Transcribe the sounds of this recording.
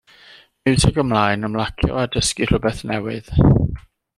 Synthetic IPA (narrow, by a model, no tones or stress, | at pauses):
mɪwtʰɛɡəmlˠaɨnəmlˠakʰjɔ̰adəskir̥əbɛθnɛwɪð̥